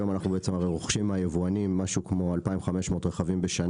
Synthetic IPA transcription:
jo̞manaχnubeet͡semaʁejʁoχʃimajevuanimːaʃukmo̞alpaimχame̞ʃmo̞ːtʁeχavimbeʃan

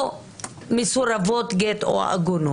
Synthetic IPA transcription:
misuɾavot̪ɡet̪o̰a̰ʔa̰ɡunu

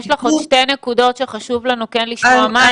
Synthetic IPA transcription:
ʃlaχoʃte̞nekudo̞tʃe̞χaʃuvlanukenliʃmoama

